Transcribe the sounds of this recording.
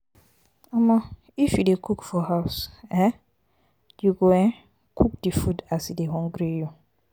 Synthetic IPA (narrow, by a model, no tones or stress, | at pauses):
amɔ̃ | ifjudekʰukfɔhaʊsɛ̃ | juɡoɛ̃ | kʰuk̚difudasideɦɔ̃ŋɡɾiju